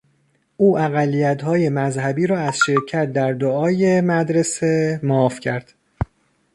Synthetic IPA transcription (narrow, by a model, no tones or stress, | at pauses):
ʔuːæɣælːijæt̪ʰhɒːje̞mæzhæbiːɾɒːæzʃe̞ɾcʰæt̪̚d̪æɾd̪oɒːje̞mæd̪ɾe̞se̞mɒːfcʰæɾd̪̥